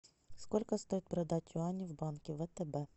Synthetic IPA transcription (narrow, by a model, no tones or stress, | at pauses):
skolʲkəst̪o̞jɪt̪̚pɾɐd̪atʲʊanʲɪvbankʲɪvɛt̪ɛbɛ